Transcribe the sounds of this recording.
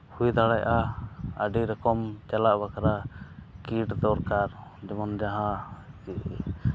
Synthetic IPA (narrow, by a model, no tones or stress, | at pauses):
hujd̪aɽajʔaəɖiɾɛkɔmt͡ʃalaʔbakaɾakiʈd̪ɔɾkaɾd͡ʒɔmɔnd͡ʒaɦãi